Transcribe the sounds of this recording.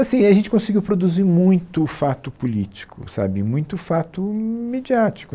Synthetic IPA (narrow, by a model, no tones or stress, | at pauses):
asĩɐʒẽnt͡ʃɪkõsɪiɡiwpɾod̪uzimũj̃t̪ʊfat̪ʊpulit͡ʃi̥kʰʊ̰sa̰bɪmũj̃t̪ʊfat̪ʊmed͡ʒiat͡ʃi̥kʊ